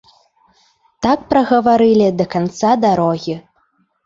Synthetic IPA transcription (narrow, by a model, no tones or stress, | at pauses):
t̪ak̚pɾɐɣɐvaɾɨlʲid̪ɐkant̪sad̪aɾɔɣʲi